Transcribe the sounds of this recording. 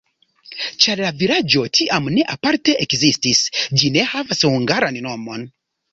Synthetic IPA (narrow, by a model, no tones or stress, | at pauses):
t͡ʃaɾlaviɾad͡ʒo̞tʰiʔamne̞ʔapaɾte̞ʔekzistisd͡ʒine̞havashuŋɡaɾanno̞mo̞n